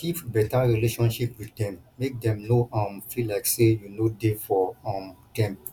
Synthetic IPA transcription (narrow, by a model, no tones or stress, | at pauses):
kipbɛtaɹileʃɔ̃nʃipwiddɛ̃mːek̚dɛ̃mnoɔ̃mfilaɪksejunodefɔɔ̃md̥ɛ̃m